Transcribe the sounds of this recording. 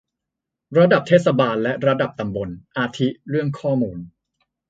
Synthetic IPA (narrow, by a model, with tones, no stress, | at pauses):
ɾa˧da˨˩p̚t̪ʰeː˥˩t̪sa˧baː˧nlɛ˦˥ɾa˧da˨˩p̚t̪a˧mbo˧nʔaː˧t̪ʰi˦˥ɾɯ˥˩əŋkʰɔː˥˩muː˧n